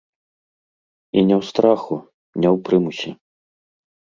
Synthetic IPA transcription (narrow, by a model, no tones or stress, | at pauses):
inʲɛwst̪ɾaxu | nʲɛwpɾɨmusʲi